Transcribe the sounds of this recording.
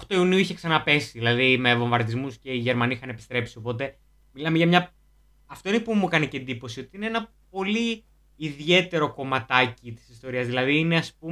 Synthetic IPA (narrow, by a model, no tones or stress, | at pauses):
oxt̪oiuniuiçe̞ksɐnɐpe̞siðilɐðime̞vo̞ɱvɐɾt̪izmusce̞iʝe̞ɾmɐniixɐnepi̥st̪ɾe̞psio̞po̞t̪e̞ | milɐmeʝɐmɲɐ | ɐft̪o̞inepumukɐniceend̪ipo̞sio̞t̪iineenɐ | po̞liː | ðie̞t̪e̞ɾo̞ko̞mɐt̪ɐcit̪i̥si̥st̪o̞ɾiɐzðilɐðiːne̞ɐspum